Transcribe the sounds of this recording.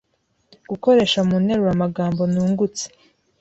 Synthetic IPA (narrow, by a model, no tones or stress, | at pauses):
ɡuko̞ɾe̞ːʃamuːne̞ɾuwamaɡaːmbo̞nuːŋɡut͡se̥